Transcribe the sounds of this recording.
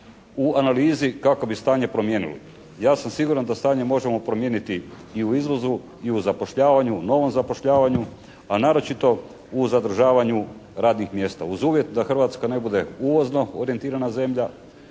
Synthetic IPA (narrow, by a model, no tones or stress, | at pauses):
uanaliːzikako̞bist̪aːɲepɾo̞mje̞ːnḭlḭ | jaːsamsiɡuɾand̪ast̪aːɲe̞mo̞ʒe̞mo̞pɾo̞mjenit̪i | iuizʋo̞zu | iuzapo̞ʃʎaːʋaɲuno̞ʋo̞mzapo̞ʃʎaːʋaɲu | anaːɾo̞t͡ʃit̪o̞ | uzad̪r̩ʒaːʋaɲuɾaːd̪nixmje̞ːst̪a̰uzuːʋjet̪d̪axr̩ʋat̪skane̞bud̪e̞uʋo̞zno̞oɾije̞nt̪iːɾanaze̞mʎa